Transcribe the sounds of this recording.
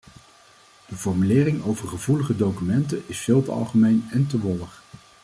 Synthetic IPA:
d̥əvɔɹmylɪːrɪŋowvəɹχəvuləχədowkymɛntənɪsfɪːlˠtəɑ̰lˠχəmejnɛntəʋɔləχ

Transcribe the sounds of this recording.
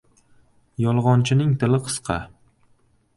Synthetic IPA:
jɒlˠʁɒnt͡ʃʰɪnɪŋt̪ʰɪlɪqʰɨ̥sqʰɑ̰

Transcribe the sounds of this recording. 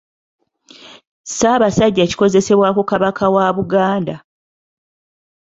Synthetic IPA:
saːβasaɟːaci̥ko̞ze̞se̞βwaːkukaβakʰawaβuɡaːnda

